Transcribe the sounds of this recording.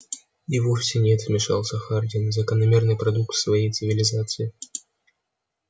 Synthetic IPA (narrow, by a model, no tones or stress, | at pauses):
ɪvofsʲɪnʲet̪vmʲɪʂa̰lˠsʲəxardʲɪnzəkənɐmʲernɨjpɾɐd̪uk̚t̪fsvɐjejt̪sɨvʲɪlʲɪzat̪sɨɪ